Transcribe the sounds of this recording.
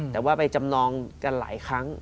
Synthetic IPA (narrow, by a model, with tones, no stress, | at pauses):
t̪ɛː˨˩waː˥˩pa˧jt͡ɕa˧mnɔː˧ŋka˧nla̰ː˩˦jkʰɾa˦˥ŋ